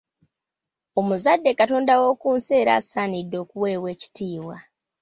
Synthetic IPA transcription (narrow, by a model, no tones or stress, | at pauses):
o̞muzadːe̞kato̞ːndawo̞ːkuːnse̞ːɾa̰ːsaːnidːo̞ːkuweːwe̞ːci̥tiːwa